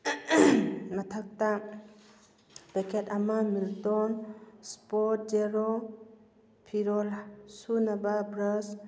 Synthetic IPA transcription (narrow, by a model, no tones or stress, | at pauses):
matʰak̚ta | b̥ekʰetamamiltɔnspɔt̚d͡ʒeɾɔ | pʰiɾɔlsunababɾəs